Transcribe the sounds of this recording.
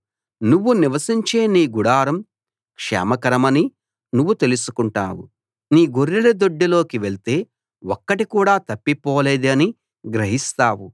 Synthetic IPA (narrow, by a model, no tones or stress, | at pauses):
nuʋːuniʋɐsiɲt͡ʃe̞ːniːɡuɽaːɾɐm | kʂɛ̰ːmɐkɐɾɐmɐni | nuʋːut̪e̞lusu̥kuɳʈa̰ːwu | niːɡoɾːilɐd̪o̞ɖːilo̞ːkiʋeɭt̪e̞ː | ɔkːɐʈikuːɽaːt̪ɐpːipɔːle̞ːd̪iɐni | ɡɾɐɦist̪aːwu